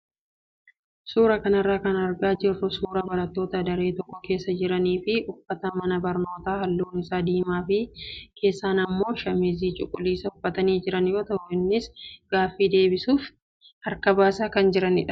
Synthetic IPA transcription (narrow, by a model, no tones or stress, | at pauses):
suːɾɐkɐnɐrːaːkɐnɐɾɡaːd͡ʒɪrːʊsuːɾɐbɐɾɐt̪ːo̞ːt̪ɐd̪ɐɾe̞ːt̪ɔkːɔke̞ːsːɐd͡ʒɪɾɐniːfɪʔʊfːɐt̪ɐmɐnɐbɐɾno̞ːt̪aːhɐlːuːnɪsaːd̪iːmaːfɪkʰe̞ːsːaːnɐmːo̞ːʃɐmɪziːt͡ʃʼʊkʼʊliːsɐʊfːɐt̪ɐniːd͡ʒɪɾɐnjo̞ːt̪ɐʔʊɪnːɪsɡ̥aːfːiːd̪e̞ːbɪsuːf | ɐɾkɐbaːsaːkɐnd͡ʒɪɾɐnɪ̰ᶑɐ̥